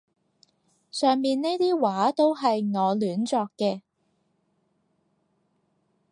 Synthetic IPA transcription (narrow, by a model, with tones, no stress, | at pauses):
sœː˨ŋmiː˨nne˥jt̪iː˥waː˨˥t̪o˥wɦɐ˨jŋɔː˨˧lyː˨˥nt͡ʃɔː˧kːɛː˧